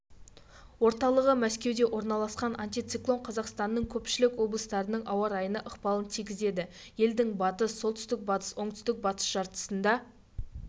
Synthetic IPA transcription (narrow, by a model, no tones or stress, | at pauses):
wo̞ɾt̪ɑlˠəʁəmæskʲe̞wd̪e̞wʔo̞ɾnɑlˠɑsqɑnʔant̪ʲijt̪siklˠo̞ɴqʰɑzɑqst̪ɑnːəɴkʲʰɵpʃɪlɪkwo̞blˠəst̪ɑɾənəɴʔɑwɑɾɑjənəʔəqpɑlˠənt̪ʰijkʲɪze̞d̪ɪ | je̞ld̪ɪŋbɑt̪əsːolˠt̪ʏst̪ɪk̚bɑt̪ə̥swo̞ɴt̪ʏ̥st̪ɪk̚bɑt̪ə̥sʒ̥ɑɾt̪ə̥sənd̪ɑ